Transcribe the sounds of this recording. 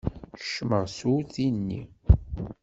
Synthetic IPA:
ʃməʁsuθinːḭ

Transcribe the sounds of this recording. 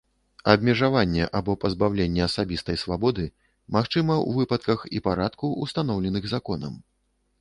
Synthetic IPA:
ɐbʲmʲɛʐavanʲːɛ̰ʔabɔpɐzbawlʲenʲːɛɐsabʲist̪ɐjsvabɔd̪ɨ | maxt͡ʂɨmɐṵvɨpɐt̪kɐxipaɾat̪kuṵst̪an̪ɔwlʲɛnɨɣzakɔnɐ̰m

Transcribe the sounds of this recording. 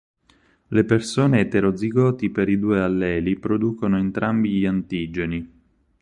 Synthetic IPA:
lepersoːneːt̪eɾod̪ziɡɔːt̪ipeɾid̪uːealːɛːlipɾod̪uːkonoent̪ɾambiʎiant̪iːd͡ʒeni

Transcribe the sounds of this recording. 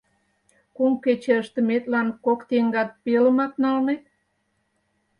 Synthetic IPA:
kumket͡ɕeəʃt̪ə̆met̪lɑnkokt̪eŋɡɑt̪̚peləmɑknɑlne

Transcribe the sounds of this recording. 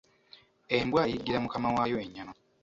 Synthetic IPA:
embwajiɡiɾamukamawajo̞eɲːano

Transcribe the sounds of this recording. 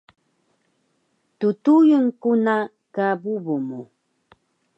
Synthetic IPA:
t̪ʊt̪ujʊŋkʊna | kabʊbʊmʊ

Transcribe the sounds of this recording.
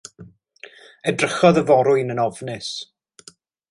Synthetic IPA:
ɛdrəχɔðəvɔɾʊɨnənɔvnɪs

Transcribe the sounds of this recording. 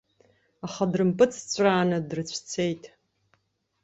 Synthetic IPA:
aχadrɨmpʼɨt͡sʰt͡ɕʷʼraːnɨdrɨt͡ɕʷʰt͡sʰe̞jtʼ

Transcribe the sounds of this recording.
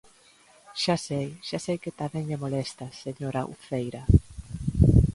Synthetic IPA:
ʃasejʃasejket̪amɛŋʎemolest̪aseɲoɾaʔṵθejɾa

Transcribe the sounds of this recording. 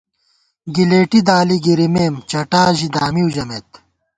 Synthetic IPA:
ɡileːʈid̪aːliɡiɾimeːmt͡ɕɐʈaːʑid̪aːmiud͡ʑɐmeːt̪

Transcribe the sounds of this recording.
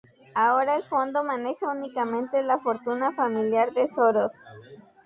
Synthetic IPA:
ao̞ɾaelfo̞nd̪o̞mane̞xaunikamẽ̞nt̪e̞lafo̞ɾt̪unafamiljaɾðesoɾos

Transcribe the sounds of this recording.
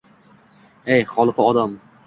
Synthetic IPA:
ejχɒlˠqʰɨɒd̪am

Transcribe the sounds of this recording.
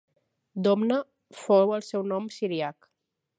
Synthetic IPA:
d̪ɔmnə | fowəlˠsɛwnɔmsiɾiak

